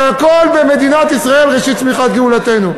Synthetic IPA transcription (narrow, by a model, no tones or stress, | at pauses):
ako̞lbeme̞d̪inat̪isʁae̞lʁeʃit̪̚smiχat̪ɡeulat̪e̞nu